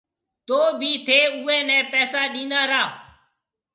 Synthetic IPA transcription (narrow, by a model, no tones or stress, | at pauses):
t̪oːbʱiːt̪ʰeːuːɛ̃ːnɛ̃ːpɛːsaːɗĩːnaːɾaː